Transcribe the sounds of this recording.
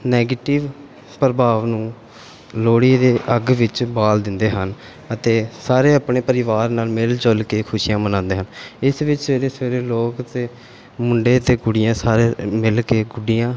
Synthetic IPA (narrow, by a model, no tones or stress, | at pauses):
nɛːɡeːʈɪʋ | pɾəbaːʋnũː | loːɽiːd̪eːʔəɡʋɪt͡ʃbaːld̪ɪnd̪eːɦən | ət̪eːsaːɾeːaːpɳeːpəɾɪʋaːɾnaːlmɪlt͡ʃəlkeːkʰʊʃijãːmənãːnd̪eːɦənɪsʋɪt͡ʃseːɾeːsʋeːɾeːloːkt̪eː | mʊɳɖeːt̪eːɡʊɽɪjãːsaːɾeːmɪlkeːɡʊɖijãː